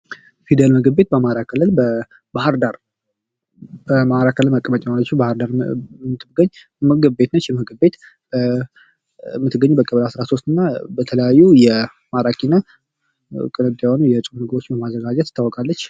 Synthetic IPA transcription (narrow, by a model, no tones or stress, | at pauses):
fid̪əlməɡɨbbe̞t̪̚bəmaɾakʰɨlːɨlbə | bahəɾd̪aɾ | bəmaɾakʰɨlːɨlməkʼəmət͡ʃʼɛalət͡ʃːubahəɾd̪aɾɨt̪ʰːɨbɡəɲː | məɡɨbbe̞t̪nət͡ʃːɛməɡɨbbe̞t̪ | mːɨt̪ʰːɨɡːəɲːubəkʼəβəlasɾaso̞s̬t̪ɨnːabət̪ʰələjajːujɛ | maɾakʰʼinə | kʼɨnɨd̪jawonujɛt͡ʃʼumnəɡəɾo̞t͡ʃːɪmbəmazːəɡad͡ʒɛt̪ɨ̥t̪ʰːawɔkʼalːət͡ʃː